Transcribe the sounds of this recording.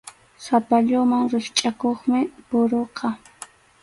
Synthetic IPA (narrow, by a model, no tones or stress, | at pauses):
sapaʎʊmaŋɾɪχt͡ʃʼakoχmɪpʊɾoqʰɑ